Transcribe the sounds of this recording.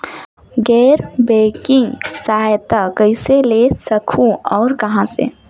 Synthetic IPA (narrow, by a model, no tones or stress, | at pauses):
ɡɛːɾbekĩŋsajt̪akəɪselesəkʰũɔːɾkəɦãsḛ